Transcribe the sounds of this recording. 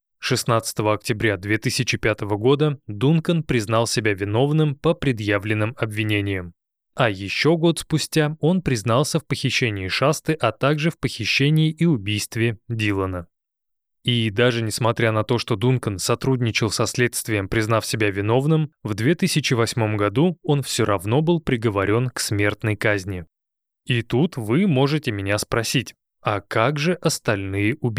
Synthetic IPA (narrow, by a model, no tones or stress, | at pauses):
ʂɨsnat̪sɨ̥t̪əvəɐk̚tʲɪbɾʲad̪vʲe̞t̪ɨsʲɪt͡ɕɪpʲat̪əvəɡo̞d̪əd̪unkənpɾʲɪznɑlˠsʲɪbʲavʲɪno̞vnɨmpəpɾʲɪd̪javlʲɪnːɨmɐbvʲɪnʲenʲɪjəm | ɐjɪɕːo̞ɡo̞t̪spʊsʲtʲao̞n̪pɾʲɪznɑlˠsʲəfpəxʲɪɕːenʲɪɪʂast̪ɨʔɐt̪aɡʐɨfpəxʲɪɕːenʲɪːʔiʊbʲijst̪vʲɪdʲilˠənə | id̪aʐɨnʲɪsmɐt̪ɾʲanɐt̪o̞ʂt̪o̞d̪unkənsɐt̪ɾudʲnʲɪt͡ɕɪlˠsɐsʲlʲe̞t̪st̪vʲɪjɪmpɾʲɪznafsʲɪbʲavʲɪno̞vnɨmvd̪vʲe̞t̪ɨsʲɪt͡ɕɪvɐsʲmo̞mɡɐd̪uo̞nfsʲoɾɐvno̞bɨlˠpɾʲɪɡəvɐɾʲo̞nksmʲe̞rt̪nəjkazʲnʲɪ | it̪ut̪vɨmo̞ʐɨtʲɪmʲɪnʲaspɾɐsʲitʲ | ɐkaɡʐɨʔɐst̪ɐlʲnɨjəʊbʲi